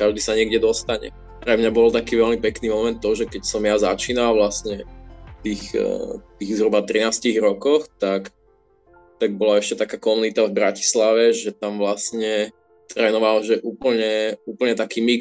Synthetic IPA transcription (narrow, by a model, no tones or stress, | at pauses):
kaʒd̪iːsaɲɪɛɡɟɛd̪ɔst̪aɲɛ̰ | pɾɛmɲabɔlt̪akiːʋɛlmipɛkniːmɔmɛnt̪̚t̪ːɔɦɔʒɛkɛcsɔmjazat͡ʃiːnalʋlastɲɛt̪iːxt̪iːɣzɦɾubat̪ɾinaːsciɣɾɔkɔxt̪ak | t̪aɡ̚bɔlaɛʃcɛt̪akaːkɔmunit̪avbɾaci̥slaʋɛʒɛt̪amʋlasɲɛ | t̪ɾɛːnɔʋalʒɛʔuːpl̩ɲɛuːpl̩ɲɛt̪akiːmi